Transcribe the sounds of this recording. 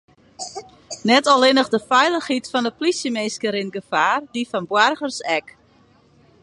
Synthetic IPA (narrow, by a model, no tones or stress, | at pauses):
nɛtɔlɪnəxdəfɛjlˠəxhitfɔndəplisjəmeːskəɾinɡəfaːrdifɔnbwarɣərsɛk